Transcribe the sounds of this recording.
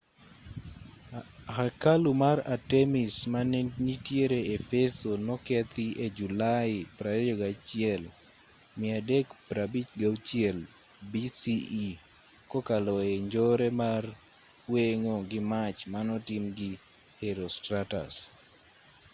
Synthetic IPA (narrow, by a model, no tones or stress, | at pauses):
hakalumaɾatemɪsmaneɲitjeɾeefesonɔkɛt̪ɪʔed͡ʒulaɪpɾadɔɡat͡ʃɪɛl | mɪadɛkpɾabit͡ʃɡaut͡ʃjɛl | bisii | kokalɔeɲd͡ʒɔɾemar | weŋoɡɪmat͡ʃmanɔtɪmɡɪ | heɾostɾata̰s